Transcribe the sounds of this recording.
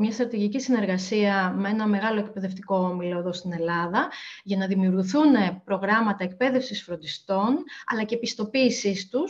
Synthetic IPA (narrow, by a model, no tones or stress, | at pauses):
mɲɐst̪ɾɐt̪iʝicisine̞ɾɣɐsiɐmee̞nɐme̞ɣɐloek̚pe̞ðe̞ft̪iko̞omilo̞eðo̞st̪ine̞lɐðɐʝɐnɐðimiuɾɣuθune̞pɾo̞ɣɾɐmɐt̪ɐek̚pe̞ðe̞fsisfɾo̞nd̪ist̪o̞nɐ̰lɐce̞pist̪o̞piːsist̪us